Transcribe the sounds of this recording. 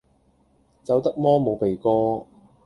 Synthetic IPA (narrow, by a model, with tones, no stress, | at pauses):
t͡sɐ˨˥wt̪ɐ˥k̚mɔː˥mo˨˧wpe˨jkɔː˥